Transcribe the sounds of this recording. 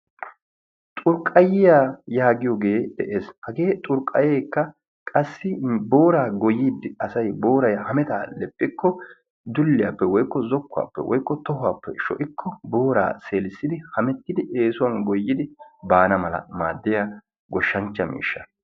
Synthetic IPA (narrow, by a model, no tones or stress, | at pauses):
t̪ʼʊɾkʼːɐjɪjaːjaːɡɪjɔɡeːd̪ɛʔeːshɐɡe̞ːt̪ʼʊɾkʼːɐjeːkːɐ | kʼɐsːɪbo̞ːɾaːɡɔjiːd̪ɪɐsɐjbo̞ːɾɐjɐhɐmɛt̪aːlɛpʼːɪkːɔ | d̪ʊlːɪjaːpːɛwɔjkːɔzɔkːʊa̰ːpːɛ̰wɔ̰jkːɔt̪ɔɦʊaːpːɛ̰ʃɔ̰ʔɪkʰːɔbo̞ːɾa̰ːse̞ːlɪsːɪd̪ɪhɐmɛt̪ːɪd̪ɪʔeːsʊwɐnɡɔjːɪd̪ɪbaːnɐmɐlɐ̰ma̰ːd̪ːɪja | ɡɔʃːɐnt͡ʃːɐmḭːʃːɐ